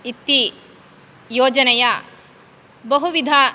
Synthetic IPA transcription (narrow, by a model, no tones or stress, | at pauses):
it̪ːi | joːd͡ʒɐnɐjɐ | bɐɦuʋid̪ʱa